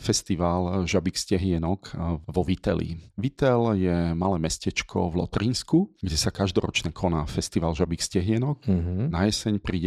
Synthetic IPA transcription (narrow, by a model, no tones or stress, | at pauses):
fɛst̪iʋaːlʒabikscɛɦɪɛnɔkʋɔʋit̪ɛlḭʋit̪ɛljɛmalɛːmɛscɛt͡ʃkʰɔ̰vlɔ̰t̪ɾinskuɡɟɛsakaʒd̪ɔɾɔ̰t͡ʃnɛkʰɔnaːfɛst̪iʋaːlʒabikscɛɦɪɛnɔk̩ɦnajɛsɛɲpɾiːɟɛ